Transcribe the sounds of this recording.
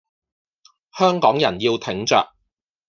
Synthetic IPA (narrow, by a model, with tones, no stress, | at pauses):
hœː˥ŋkɔː˨˥ŋjɐ˨˩njiː˧wt̪ʰɪ˨˥ŋt͡ʃœ̰ː˨k̚